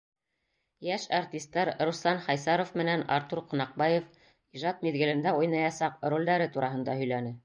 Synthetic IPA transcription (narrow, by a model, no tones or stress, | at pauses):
jæʃart̪ʲist̪ːɑɾɾuslˠɑnχɑjsɑɾofmɘ̆nænɑ̰ɾt̪uɾqŏnɑq̚bɑjof | iʒɑt̪̚miðɡɘ̆lɘ̆nd̪æujnɑjɑsɑqrolʲd̪æɾɘt̪uɾɑɦɤ̆nd̪ɑhɵ̆jlænɘ